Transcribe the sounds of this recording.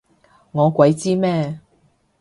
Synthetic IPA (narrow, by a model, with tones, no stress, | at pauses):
ŋɔː˨˧kʷɐ˨˧jt͡siː˥mɛː˥